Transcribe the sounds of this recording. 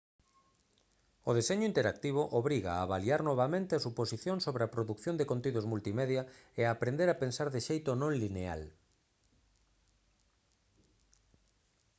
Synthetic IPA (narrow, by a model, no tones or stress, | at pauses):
ʊðeseɲʊint̪eɾak̚t̪iβoʔoβɾiɣa̰a̰ːβaliaɾnoβ̞amẽnt̪easuposiθjõŋsoβɾeapɾoðukθjõnd̪ekõnt̪iðozmult̪imeðjaeaːpɾend̪eɾapensaɾðeʃejt̪ʊnõŋlinea̰l